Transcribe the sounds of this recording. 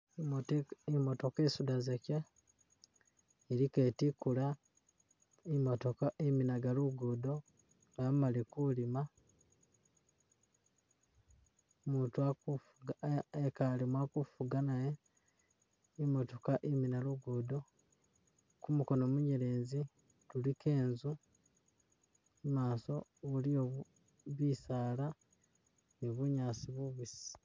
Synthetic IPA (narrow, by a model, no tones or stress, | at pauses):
imo̞to̞kesudazeka | eɾike̞tikula | imotokaiminaɡaluɡudo̞ | amalikulima | muːntuaku | ɡekalimwakufuɡanaje | imotokaʔiminaluɡuːdo | kumuko̞noːmuɲeɾe̞ːnzi | tulikeːnzu | maːso̞ulio | βisaːla | niβuɲaːsiβuβisi̥